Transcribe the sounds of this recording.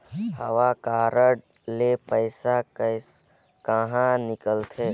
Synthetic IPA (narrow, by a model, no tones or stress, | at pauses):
həʋakaːɾəɽ | lepəɪsa | kəɦãnɪkəlt̪ʰeː